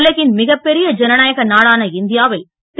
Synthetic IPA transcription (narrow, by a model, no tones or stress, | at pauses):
lːɐɣɪnmɪɣɐpːɛɾɪjɐd͡ʒɛnɐnaːjɐɣɐnaːɽaːnɐɪnd̪ɪjaːʋɪl | t̪